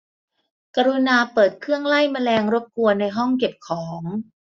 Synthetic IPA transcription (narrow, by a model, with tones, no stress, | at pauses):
ka˧ɾu˧naː˧pɤː˨˩t̪̚kʰɯ˥˩əŋla˥˩jma˧lɛː˧ŋɾo˦˥p̚ku˧ɐna˧jɦɔ˥˩ŋke˨˩p̚kʰɔː˩˦ŋ